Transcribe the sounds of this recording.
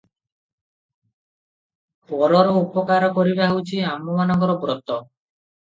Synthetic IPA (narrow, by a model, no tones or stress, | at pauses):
pɔɾɔɾɔupɔkaɾɔkɔɾibaɦewt͡ʃʰiamɔmanaɡɔɾɔbɾɔt̪ɔ